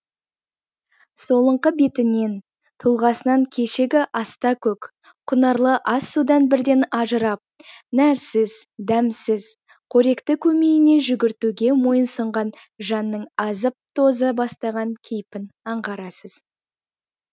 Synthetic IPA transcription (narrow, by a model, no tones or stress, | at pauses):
so̞lˠəɴqəbe̞t̪ɪne̞n | t̪ʰulˠʁɑsənɑŋkʲʰe̞ʃeɡʲɪʔɑst̪ɑkʲʰɵk | qʰʊnəɾlˠəʔɑsːud̪ɑnbɪɾd̪e̞nɑʒəɾɑp̚næɾsɪzd̪æmsɪz | qʰɵɾe̞kt̪ɪkʲʰɵme̞jɪne̞ʒʏɡʲɪɾt̪uɡʲe̞mo̞jənsəɴʁɑn | ʒɑnːəɴɑzəp̚t̪ʰo̞zəbɑst̪ɑʁɑŋkʲʰejpɪnɑɴʁɑɾɑsəz̥